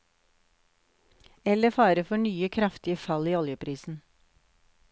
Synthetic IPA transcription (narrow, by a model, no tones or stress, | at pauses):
ɛləfɑːɾəfɔɳyːəkʰɾɑft̪ɪəfɑliːɔljəpɾiːsn̩